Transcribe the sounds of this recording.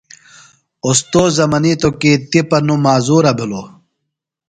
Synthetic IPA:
ost̪oːzɐmɐnit̪okit̪ipɐnumaːzuːɾɐbʱilo

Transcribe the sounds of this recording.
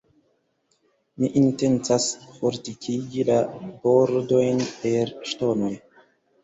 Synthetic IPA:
miʔinte̞nt͡sasfoɾtikʰiɡilaboɾdo̞jnpeɾʃtonoj

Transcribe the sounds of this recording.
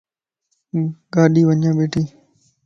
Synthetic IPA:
ɡaːɗiːʋəɲjãːɓeːʈiː

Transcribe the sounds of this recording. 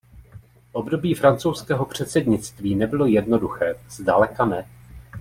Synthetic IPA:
ʔo̞bdo̞biːfɾant͡sowskɛːɦo̞pr̝̥ɛt̪sɛdɲɪt͡st̪viːnɛbɪlo̞jɛdno̞duxɛːz̥dalɛkanɛ

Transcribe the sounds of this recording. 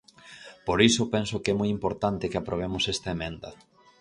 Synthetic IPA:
poɾisopɛnsokɛmɔjimpoɾt̪ant̪ɪkɪapɾoβ̞emosɛst̪ɐemẽnd̪ɐ

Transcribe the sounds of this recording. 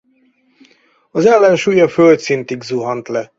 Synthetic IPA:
ɒzɛlːɛnʃuːjɒfølt̪sint̪iɡzuɦɒnt̪lɛ

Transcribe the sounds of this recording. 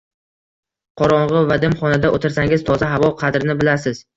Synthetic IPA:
qʰɒɾɒɴʁɨvad̪ɪmχɒnad̪aʔot̪ʰɪɾsaŋʲɪzt̪ʰɒzaɦavɒqʰɑd̪ɾɪnɪbɪlasɪz̥

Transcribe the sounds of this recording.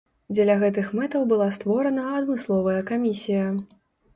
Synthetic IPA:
d͡zʲɛlʲaɣɛt̪ɨxmɛt̪ɐwbɨlˠast̪vɔɾɐnɐɐd̪mɨslˠɔvɐjɐkamʲisʲijɐ

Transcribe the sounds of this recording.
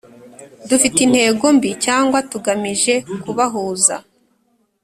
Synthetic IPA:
dufitin̥he̞ːɡo̞mbicaːŋɡwatuɡamiʒe̞kuβaɦuːza̰

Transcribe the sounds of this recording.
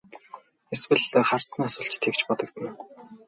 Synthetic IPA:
eswɘ̆ɮχar̥t̪sə̆nasʊːɬt͡ɕt̪ʰːekt͡ɕpɔt̪ɞ̆kt̪ə̆n

